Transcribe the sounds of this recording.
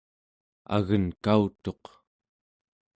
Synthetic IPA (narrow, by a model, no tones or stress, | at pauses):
a̰ɣənkaut̪o̞q